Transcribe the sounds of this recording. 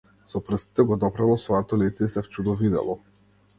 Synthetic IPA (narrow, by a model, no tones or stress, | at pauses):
sɔpɾəst̪i̥t̪ɛɡɔd̪ɔpɾalˠɔsvɔjɔt̪ɔlit̪sɛisɛft͡ʃud̪ɔvid̪ɛ̰lˠɔ